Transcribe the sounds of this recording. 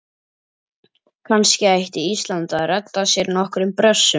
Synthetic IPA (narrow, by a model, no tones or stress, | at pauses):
kʰanscɪajht̪ɪist̪lant̪aðrɛt̪ːasjɛɾnɔhkɾʏmpɾœsːʏ